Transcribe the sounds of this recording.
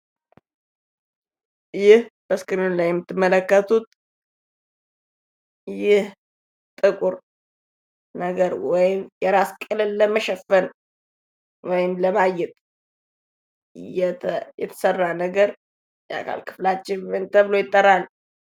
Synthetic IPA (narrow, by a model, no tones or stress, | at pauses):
jɪhb̥əskɨɾɨnlajɛmːɨt̪ʰːɨmːələkːət̪ʰut̪̚ | jɪh | t̪ʼɨkʼuɾ | nəɡəɾwɔjɪmjɛɾaskʼɨlɨlːəməʃɛfːən | wɔjɪmləmajɛt̪ʼ | jɛtjɛt̪ʰə̥sərːanəɡəɾ | jɛʔa̰kʰa̰lkʰɨ̥flat͡ʃːɪnwnt̪ʰəβlo̞jɪt̪ʼːəɾal